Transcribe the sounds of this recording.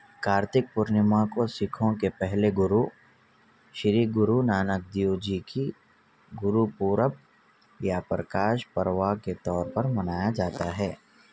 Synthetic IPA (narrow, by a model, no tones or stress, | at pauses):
kaːɾt̪ɪk̚pʊɾnɪmãkosɪkʰõkepɛɦleɡʊɾu | ʃɾiːɡʊɾunaːnək̚d̪ijud͡ʒiki | ɡʊɾupuːɾəp̚ | japɾəkaːʃpəɾʋaket̪ɔːɾpɐɾmɐnaːjad͡ʒaːt̪aɦɛː